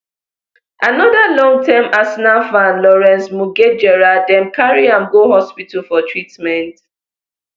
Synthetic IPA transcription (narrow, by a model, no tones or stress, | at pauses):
anɔðalɔ̃ŋtɛmasnafãnlɔɹɛ̃nsmuɡed͡ʒɛɹadɛ̃mkaɹiãmɡohɔspitalfɔtɹitmɛ̃nt